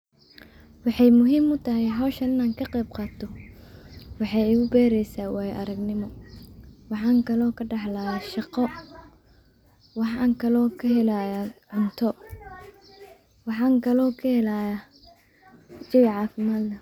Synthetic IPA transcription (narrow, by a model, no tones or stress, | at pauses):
wɑħɑjmʊɦiːmʊt̪ʰɐɦɛɦɐwʃɐnɪnaːŋkʰɐqɛjbqɑːt̪ʰɔ | wɑħɑjɪɣʊbɛːɾɛjsaːwaːjʔɐɾɐɡnɪmɔ | wɑħɑːŋkʰɐlɔːkʰɐɖɑħlaːjaʃɑqɔ | wɑħaːŋkʰɐlɔːkʰɐɦɛlajaʕʊnt̪ʰɔ | wɑħɑːŋkʰɐlɔːkʰɐhɛlaːja | t͡ʃɪwʕɑːfɪmaːd̪lɐ